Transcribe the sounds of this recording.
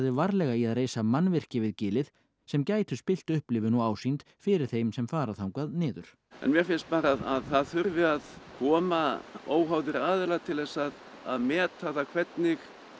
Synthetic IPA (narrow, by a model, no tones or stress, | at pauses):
ðɪvaɾlɛɣaiaðreːjsamanːvɪr̥cɪvɪðcɪːlɪð | sɛmcaːjt̪ʏspɪl̥t̪ʏhplɪːvɪnuaːwsint̪ | fɪɾɪɾ̥θejmsɛmfaːɾaθawŋkaðnɪːðʏɾ̥ | ɛ̰nmjɛfɪnst̪̚paːɾaðaðθaðθʏɾvɪaðkʰɔːmaoːwɦawðɪɾaːðɪlat̪ʰɪlðɛsːað | a̰ðmɛːt̪ʰaθakʰvɛt̪nɪx